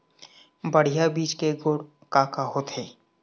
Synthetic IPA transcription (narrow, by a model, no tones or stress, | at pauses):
bəɽ̤ijabiːt͡ʃkeɡoːɽ | kaːkaɦoːt̪ɦeː